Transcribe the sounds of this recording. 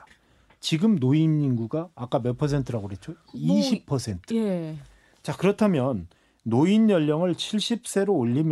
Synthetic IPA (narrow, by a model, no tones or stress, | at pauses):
t͡ɕiɡɯmnoinɲinɡuɡaːk͈amjepʰʌs̬ʰe̞ntʰɯɾaɡoɦe̞t̚t͡ɕ͈o | iɕʰipʰʌsʰe̞ntʰɯɯ | t͡ɕakɯɾʌtʰamjʌnː | oinjʌʎːʌŋɯɭt͡ɕʰiɭɕ͈ip̚s͈e̞ɾoːʎːimj